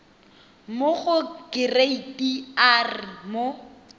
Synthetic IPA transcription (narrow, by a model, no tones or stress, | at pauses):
mʊχʊɡɪreitiarmo